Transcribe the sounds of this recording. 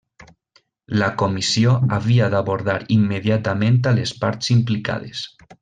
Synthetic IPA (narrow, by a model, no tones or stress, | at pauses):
lakomisioaβiaðaβoɾðaɾimːeðjat̪amẽnt̪alespaɾt̪simplika̰ðes